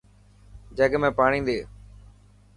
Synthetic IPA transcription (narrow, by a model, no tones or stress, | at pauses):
d͡ʒəɡmẽːpaːɳ̃ĩːnd̪eː